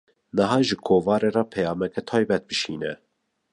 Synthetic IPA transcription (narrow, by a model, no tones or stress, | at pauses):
nəɦɑːʒɨkʰoːvɑːɾeɾɑpʰɛjɑːmɛkɛt̪ʰɑːjbɛt̪̚bɨʃiːnɛ